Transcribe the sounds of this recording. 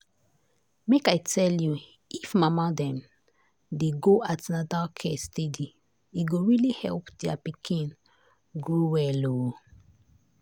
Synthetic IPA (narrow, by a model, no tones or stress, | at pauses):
mekajtʰɛlju | ifmamadɛ̃m | deɡoʔatanadakʰɛstedi | iɡoɹilihɛ̰lpdɛapikʰĩn | ɡɹowɛlo